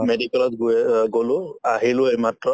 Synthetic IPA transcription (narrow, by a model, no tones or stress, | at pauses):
meɖikɛlɔt̪ɡɡolʊaɦilʊejmatɹɔ